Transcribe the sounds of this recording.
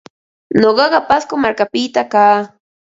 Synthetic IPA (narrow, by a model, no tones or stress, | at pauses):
ɲoɢɑɢɑpaskomaɾkapɪt̪akaː